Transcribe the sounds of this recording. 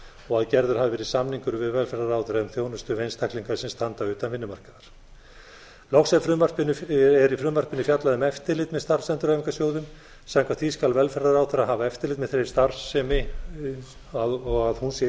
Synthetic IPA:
ɔɣaðcɛɾðʏɾ̥havɪvɛːɾɪsamniŋkʏɾvɪðvɛlfɛɾðaɾawθɪɾaʏmθjownʏst̪ʏvejnst̪ʰahkliŋkaɾsɪmst̪ant̪aʏːt̪anvɪnːʏmar̥kaðaɾ̥ | lɔwxsɛfɾʏmarpɪnːʏɛɾifɾʏːmarpɪnːʏfjat̪laðʏmɛft̪ɪɾlɪt̪mɛðst̪ar̥sɛnt̪ʏɾaːviŋkasjoːwðʏm | saŋkʰvat̪ʰviskalvɛlfɛɾaɾaːwθɪɾaɦaːvaɛft̪ɪɾlɪt̪mɛðθɾejɾ̥st̪aɾsːɛmɪ | aɔɣaðhunsɛ

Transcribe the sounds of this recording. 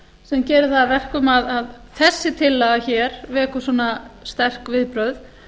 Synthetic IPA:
sɛmcɛːɾʏðθavɛr̥kʏmaðað | θɛsːɪt̪ʰɪlːaɣaçɛːɾvɛːkʏsɔːnast̪ɛr̥kvɪðpɾœɥð

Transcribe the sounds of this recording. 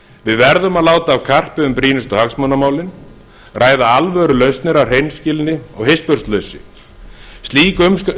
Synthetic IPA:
vɪðvɛɾðʏmaðlaːwt̪aːvkʰar̥pɪʏmpɾiːnɪst̪ɔhaksmɔnamaːwlɪn | rʔaːjðaalvœːɾʏlœɥst̪nɪɾawr̥ejnscɪlnɪɔɣhespœɾ̥st̪lœɥsɪ | st̪liːkm

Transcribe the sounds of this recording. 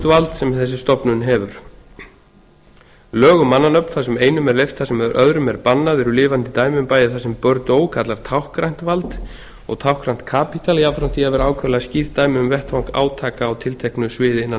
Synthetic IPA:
t̪valt̪sɛmθɛs̬ːɪst̪ɔpnʏnɦɛvʏɾ̥ | lœːɣʏmanːanœpn̥θasɛmeːjnʏmɛɾlejft̪θasɛmðɾʔœðɾʏmɛɾpanːaðɪɾʏlɪːvant̪ɪt̪aːjmʏmpaːjɪθasɛmpœɾt̪oːwkʰat̪laɾ̥t̪ʰawhkɾajn̥t̪valt̪ | ɔɣt̪ʰawhkɾajn̥t̪kʰaːpit̪ʰaliawfɾamθiavɛɾaːwkʰvœlasciɾt̪ːaːjmɪʏmvɛrht̪fawŋka̰ːwt̪ʰaːkaːwt̪ʰɪlt̪ʰɛhknʏsvɪːðɪɪnːan

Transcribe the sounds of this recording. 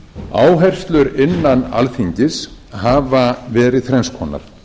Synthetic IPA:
a̰ːwɦɛjr̥st̪lʏɾɪnːana̰lfiɲcɪshaːvavɛːɾɪðθɾɛnskʰɔːna̰ɾ̥

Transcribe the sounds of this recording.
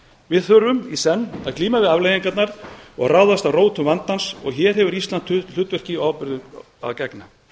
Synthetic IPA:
vɪðθœɾʏmisɛnːaðkliːmavɪðavlejiŋkat̪naɾɔɣraːwðast̪awroːwt̪ʰʏvant̪ansɔɣçɛːɾ̥ɦɛvʏɾist̪lant̪l̥ʏt̪vɛr̥cɪawpʏɾðʏ | a̰ðcɛkna

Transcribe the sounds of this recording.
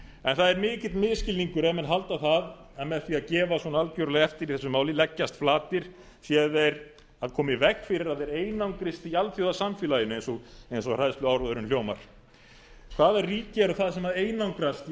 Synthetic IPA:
ɛnθaðɛɾmɪːcɪ̥t̪mɪðscɪliŋkʏɾɛmɛnɦalt̪aθað | ɛmɛðθfiaðcɛːvaswɔnaalcœwɾʏlɛɣɛft̪ɪɾiθɛsːʏmaːwlɪlɛcːast̪flaːt̪ɪɾ̥ | θjɛðɛɾ | aðkʰɔːmɪvɛkfɪɾɪɾaðɛɾeːjnawŋkɾɪst̪ialfjowðasamfjɪlajɪnʏejnsɔejns̬ɔr̥ajðst̪ʏawɾɔðʏɾʏnljoːwma̰ɾ̥ | kʰvaːðɛrːiːcɪɛɾʏθaðsɛmaeːjnawŋkɾast̪

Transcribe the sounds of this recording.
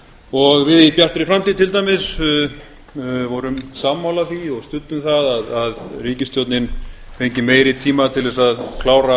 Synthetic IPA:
ɔɣvɪðipjar̥t̪ɾɪfɾamt̪iːt̪ʰɪlt̪ajmɪs | vɔɾʏmsamːhawlaθiɔɣst̪ʏt̪ːʏmθaðaðaðriːcɪst̪jɔwt̪nɪnfejɲcɪmeːjɾɪt̪ʰiːmat̪ʰɪlðɛsaðkʰlaːwɾa

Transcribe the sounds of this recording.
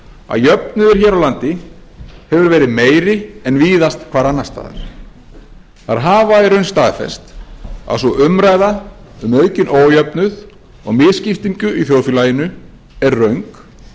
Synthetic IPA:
a̰ðjœpnʏðɪɾ̥çɛːɾawlant̪ɪ | hɛvʏɾvɛːɾɪðmeːjɾɪɛnviːðast̪kʰvaːɾanːast̪a̰ːð̰ɾ | θaɾ̥ɦaːvaɛɾœɥnst̪aːðfɛ̰st̪a̰ðsɔʔʏmɾaːjðaʏmœːɥcɪnʔoːwjœpnʏð | ɔ̰ɣmɪːðscɪft̪iɲcʏʔiθjowðfilaːjɪnʏ | ɛɾrœɥŋk

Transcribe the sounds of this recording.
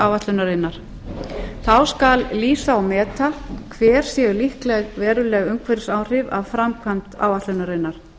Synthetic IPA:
awvat̪lʏnaɾenːaɾ̥ | θawskalliːsaawmɛːt̪akʰvɛːɾ̥sjɛʏlihklɛɣvɛːɾʏlɛːɣʏŋkʰvɛɾɪsaːwr̥ɪva̰vfɾamkʰan̥t̪a̰ːwvaht̪lʏnaɾejnːaɾ̥

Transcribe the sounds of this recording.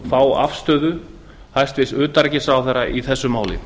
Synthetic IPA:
faːwa̰fst̪œːðʏ | hajst̪vɪsʏːt̪aɾcɪsawθɛɾaʔiθɛsːʏmaːwlɪ̰

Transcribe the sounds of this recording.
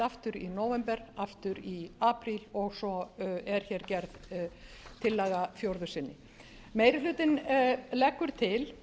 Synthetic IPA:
aft̪ʏɾinoːwvɛmpɛɾaft̪ʏɾiaːpɾilɔɣsɔɛɾ̥çɛːɾcɛɾð | t̪ʰɪlːaːɣafjowɾðʏsɪnːɪ | meːjɾɪlʏːt̪ɪnlɛkːʏɾ̥t̪ʰɪl

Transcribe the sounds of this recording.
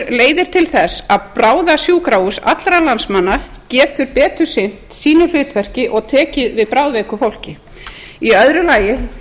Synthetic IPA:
leːjðɪɾ̥t̪ʰɪlθɛsaðpɾaːwðasjuːkɾawʏsa̰t̪lɾalansmanːa | cɛːt̪ʏɾpɛːt̪ʏ̥sɪn̥t̪siːnʏl̥ʏːt̪vɛr̥cɪʔɔɣt̪ʰɛːcɪðvɪðpɾawðvɛːkʏfowl̥cɪ | iœðɾʏlaːjɪ

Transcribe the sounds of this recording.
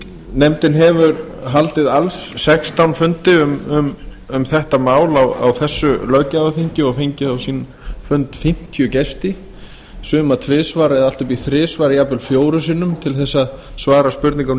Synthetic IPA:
nɛmt̪ɪnɦɛvʏɾ | ɦalt̪ɪðalsːɛkst̪ʰawnfʏnt̪ɪʏmʏm | ʏmθɛht̪amaːwlawa̰wθɛsːʏlœɥcavafiɲcɪɔɣfeɲcɪawsiːn | fʏnt̪fɪm̥t̪ʰjʏcɛst̪ɪ | sʏːmat̪ʰvɪːsvaːɾɪðal̥t̪ʏpiθɾɪːsvaːɾɪjaːpʏlfjoːwɾʏs̬iːnʏmt̪ʰɪlθɛsːaðsvaːɾaspʏɾt̪niŋka

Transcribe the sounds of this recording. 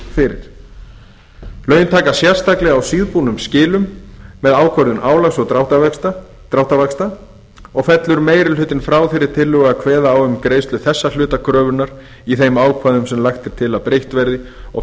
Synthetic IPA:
fɪɾɪ̰ɾ̥ | lœːɥnt̪ʰaːkasjɛr̥st̪aklɛɣawsiːðpunʏmscɪːlʏmːɛðaːwkʰvœɾðʏnʔaːwlaɣsɔɣt̪awt̪at̪ | t̪ɾawht̪avakst̪a | ɔɣfɛt̪lʏɾmeːjɾɪlʏːt̪ɪnfɾaːwθɪɾɪɾ̥t̪ʰɪlːʏɣakʰvɛːðaːwʏmkɾejst̪lʏθɛsːal̥ʏːt̪akʰɾœːvʏnaɾ | iθejmaːwkʰvaðʏmsɛmlaxt̪ɪɾ̥t̪ʰɪlawpɾejht̪vɛɾðɪ | ɔ̰ɣ

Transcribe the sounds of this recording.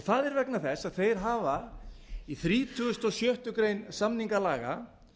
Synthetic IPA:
θaðɛɾvɛknaθɛsaðθejɾ̥ɦaːva | iθɾiːt̪ʰʏɣʏst̪ɔsjœht̪ʏkɾejnsamniŋkalaːɣa̰

